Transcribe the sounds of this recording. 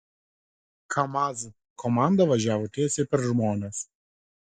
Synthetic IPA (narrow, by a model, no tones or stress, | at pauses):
kʰɐmaz | kʰɔmɑˑnd̪ɐʋɐʒʲæːʋoːt̪ʲiɛsʲepʲɛɾʒmoːnʲɛs